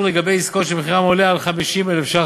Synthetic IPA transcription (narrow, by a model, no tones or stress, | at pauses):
leɡabejiskotʃebeχiʁamolealχamiʃimelefʃa